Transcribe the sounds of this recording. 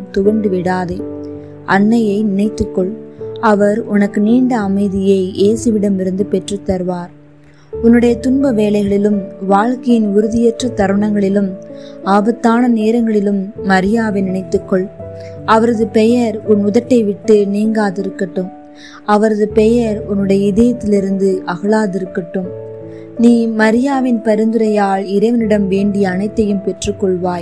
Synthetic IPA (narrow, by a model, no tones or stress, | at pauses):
t̪ʊʋɐɳɖɯʋɪɽaːðɐ | ʔɐnːɐjɐɪnɪnɐɪt̪ːɯkːɔɭɐʋɐɾʊnɐkːɯniːɳɖɐːmɐɪðɪjɐɪʔeːsɯʋɪɽɐmɪɾɯnd̪ɯpɛʈrɐt̪ːɐɾɯʋaːɾ | ʊnːɯɽɐjɐt̪ʊnbɐʋeːlɐɪɣɐɭɪlɯmʋaːɻkɐjɪnʊɾɯðɪjɛʈrɐt̪ɐɾʋɐɳɐŋɡɐɭɪlɯmaːbɐt̪ːaːnɐneːɾɐŋɡɐɭɪlɯmːɐɾɪjaːʋɪnɪɳɐɪt̪ːɯkːɔɭɐʋɐɾɐðɯpɛjɐɾʊnʊðɐʈːɐɪʋɪʈːɯniːŋɡaːðɪɾɯkːɐʈːɯm | ɐʋɐɾɐðɯpɛjɐɾʊnːɯɽɐjɐɪðɐjɐt̪ːɪlɪɾɯnd̪ɯʔɐɣɐɭaːðɪɾɯkːɐʈːɯm | niːmɐɾɪjaːʋɪnpɐɾɯnd̪ɯɾɐjaːɭɪɾɐɪʋɐnɪɽɐmʋeːɳɖɪjɐːnɐɪt̪ːɐjɯmpɛʈrɯkːɔɭʋaːj